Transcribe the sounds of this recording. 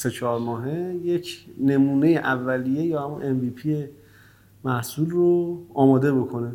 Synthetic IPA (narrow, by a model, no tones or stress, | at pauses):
se̞t͡ʃʰɒːɾmɒːɦejecʰne̞muːne̞jeʔævːælije̞jɒːhæmunʔenviːpʰije | mæhsuːlroɒːmɒːd̪e̞bo̞kʰo̞ne